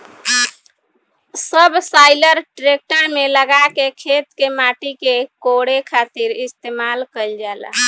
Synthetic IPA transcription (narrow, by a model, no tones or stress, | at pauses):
səbʱsaɪləɾʈɾek̚ʈəɾmeləɡakekʰet̪kemaʈikekoɽekʰat̪iɾist̪emalkəɪld͡ʒal̰